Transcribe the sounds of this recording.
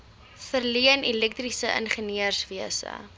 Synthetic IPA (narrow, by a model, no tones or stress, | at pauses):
fərliənilɛk̚trisəʔə̰nχəniərsviəsə̰